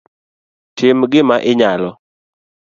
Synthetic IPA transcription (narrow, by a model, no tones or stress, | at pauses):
tʰɪmɡɪmaʔɪɲalɔ